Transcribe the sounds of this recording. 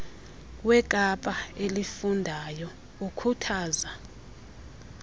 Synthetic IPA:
wɛkʼapʼaelifundʱajɔ | ukʰutʰaːza

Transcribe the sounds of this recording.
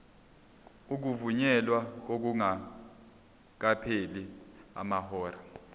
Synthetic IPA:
uk̬uvuɲɛlwak̬ok̬uŋa | k̬apʰelia̰mahɔːra

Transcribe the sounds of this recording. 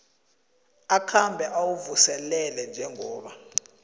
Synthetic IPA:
akʰambʱɛʔawuvusɛlɛlɛnd͡ʒʱɛŋɔːɓa

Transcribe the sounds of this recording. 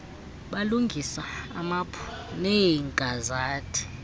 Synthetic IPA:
ɓaluŋɡʱisaa̰mapʰu̥nɛŋkʼazaːtʰʼi̥

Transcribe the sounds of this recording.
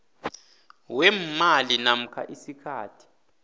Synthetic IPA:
wɛmalinam̩kʰa̰ʔisikʰaːtʰi̥

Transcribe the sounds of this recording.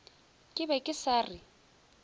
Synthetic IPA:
kʼɪbɛkʼɪsaːrɪ

